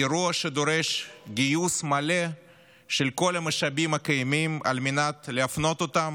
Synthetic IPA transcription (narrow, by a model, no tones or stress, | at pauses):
eɾuɐʃed̪oɾeʃɡijusmale | ʃelko̞lamaʃabimɐkajemima̰lmenat̪leafno̞t̪ot̪am